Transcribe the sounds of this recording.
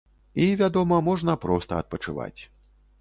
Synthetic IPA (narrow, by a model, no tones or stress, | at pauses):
ivʲad̪ɔmɐmɔʐnɐpɾɔst̪ɐɐt̪̚pɐt͡ʂɨva̰t͡sʲ